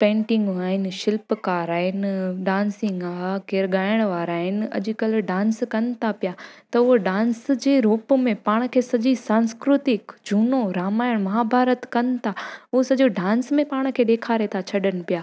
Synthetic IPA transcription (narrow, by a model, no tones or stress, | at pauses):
pẽːɳʈɪ̃ŋɡaːɦɪnɪ̆ʃɪlpkaːɾaːɦɪnɪɖãːnsɪ̃ŋɡakeːɾɡaːɪɽ̃ʋaːɾaːɦɪnɪ̆ɐ̰ʄʊkɐlɖãːnskɐnɪt̪ʰapijat̪ɐʊɦoɖãːnsd͡ʑeːɾoːpmẽpaːɽ̃kʰeːsɐd͡ʑisãːnskɾʊt̪ɪkd͡ʑʱuːnoɾaːmaːɪɽ̃mɐɦaːbʱaːɾət̪kɐnɪt̪ʰaʊɦosɐʄoɖãːnsmẽpaːɽ̃kʰeːɗeːkʰaːɾet̪ʰat͡ɕʰɐɗənɪ̆pijaː